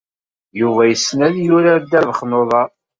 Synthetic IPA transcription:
juvæjəsːnæðjʊɾad̪ːæɾðəχnoðˤɑ

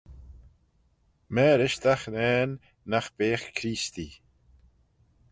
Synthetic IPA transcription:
mɛːɾɪʃt̪axnɛːnː | axb̥eːxkʰɾiːst̪i

